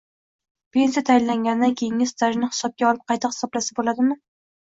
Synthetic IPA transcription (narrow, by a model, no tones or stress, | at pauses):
pe̞nsijat̪ʰajɪnlaŋɡʲand̪ankʲʰejɪŋɪzt̪ʰaʒnɪhɪ̥sɒp̚kʲaɒlˠɪp̚qʰɑjt̪ʰɪhɪ̥sɒblasabolad̪ɪmɪ